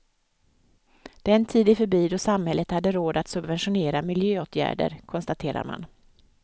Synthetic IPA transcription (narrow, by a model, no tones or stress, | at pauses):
d̪̥ɛnt̪ʰiːd̪ɪfœɾbiːd̪ɔsamhɛlːət̪had̪ːəɾoːd̪at̪sɵbvɛnʂʊneːɾamɪljøːoːt̪ʰjæ̰ːɖə̰ɾkʰɔnst̪at̪ʰeːɾa̰ɾma̰n